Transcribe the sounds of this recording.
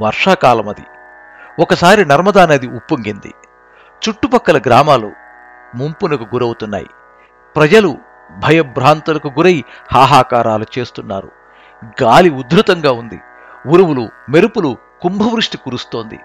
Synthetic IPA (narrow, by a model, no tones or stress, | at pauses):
ʋɐɾʂaːkaːlɐmɐd̪ḭ | ɔkɐsaːɾinɐɾmɐd̪aːnɐd̪iupːuŋɡind̪ḭ | t͡ʃuʈːupɐkːɐlɐɡɾaːmaːlṵ | mumpunɐkuɡuɾɐwut̪unːa̰ːjḭ | pɾɐd͡ʒɐlu | bʱɐjɐbɾaːnt̪ulɐkuɡuɾɐjihaːɦaːkaːɾaːlut͡ʃe̞ːst̪unːa̰ːɾṵ | ɡaːliud̪ɾut̪ɐŋɡaːund̪ḭ | uɾuwulume̞ɾupulu | kumbʱɐʋɾuʂʈikuːɾust̪o̞ːnd̪ḭ